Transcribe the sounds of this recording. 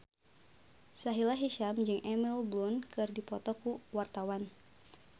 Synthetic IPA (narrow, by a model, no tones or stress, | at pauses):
saɦilaɦiʃamd͡ʒɨŋʔɛmilblunkɨrdipɔt̪ɔkuwart̪awan